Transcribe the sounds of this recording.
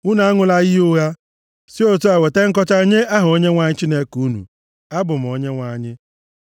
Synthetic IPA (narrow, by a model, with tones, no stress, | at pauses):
ʊ˦na˨a˦ŋʊ˨la˦ɣɪ˦ʊ˦ja˦ | si˦o˦to˦a˨we˨te˦ŋ̩˦k̬ɔ˦t͡ʃa˦ɲe˦a˦ɦʊ˨o˦ɲe˦ŋʷa˨ɲɪ˦t͡ʃi˦ne˦ku˦nṵ˨ | a˦bʊ˨m̩˨o˨ɲe˦ŋʷa˨ɲɪ˦